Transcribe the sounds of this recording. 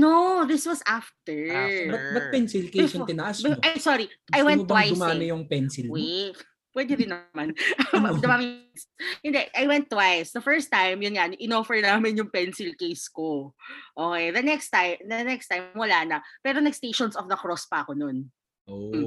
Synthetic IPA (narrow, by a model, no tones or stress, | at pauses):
noðɪswɐsʔaft̪ɛɹbɐt̪̚bɐt̪̚pɛnsɪlkɪsjʊt̪ɪnɐʔassɔɾiɐjwɛ̃nb̪ːɐwajʊmaːmɪjʊŋpɛnsɪlwɛ | pwɛd̪ɛd̪ɪnːɐmanʔbɐd̪ɐmaːmɪ | shɪnd̪ɛʔajwɛnt̪ːwajsd̪ɐfɛɹst̪ajmjʊnŋanʔɪnoːfɛɹnaːmɪnjʊŋpɛnsɪlkejskoʔoːkɛjðɐnɛkst̪ajmd̪ɐnɛkst̪ajmmwɐlaːnɐpɛːɾonɐɡst̪ejʃɔnsɔfd̪ɐkɾɔspɐʔɐko̞non | ʔom̩